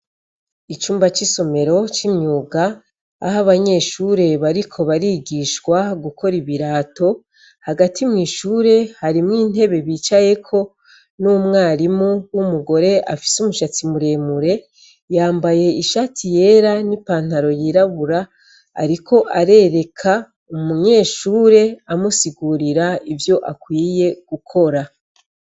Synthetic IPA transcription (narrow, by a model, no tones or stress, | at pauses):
it͡ʃuːmbat͡ʃiso̞me̞ɾo̞t͡ʃimɲuːɡa̰ː | ɦaβaɲe̞ːʃuːɾe̞βaɾikʰo̞βaɾiɡiʃkwaɡukʰo̞ɾiβiɾaːto̞ | haɡatʰimŋiːʃuːɾe̞haɾimŋiːn̥he̞βe̞βiːt͡ʃaje̞kʰo̞ | numŋaːɾimuwumuɡo̞ɾe̞ʔa̰fi̥sumuʃat͡simuɾe̞muɾe̞ | jaːmbaje̞iʃatʰije̞ːɾanipaːn̥aɾo̞jiɾaβuɾa̰ː | ɾikʰo̞ʔaɾe̞ɾe̞kʰa | umuɲe̞ːʃuːɾe̞amusiɡuɾiɾaivjo̞ʔakwiːje̞ɡ̥ukʰo̞ɾa